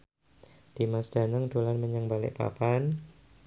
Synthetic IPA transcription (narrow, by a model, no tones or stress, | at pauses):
d̪̥i̤masd̥a̤nəŋd̥olanməɲəŋbalɪ̰ʔpa̰pan